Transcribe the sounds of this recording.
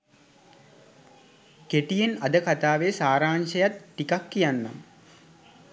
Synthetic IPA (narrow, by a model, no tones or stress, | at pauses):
keʈijenɐd̪əkat̪aːʋesaːɾaːnʃəjat̪ːikakːijanːa̰m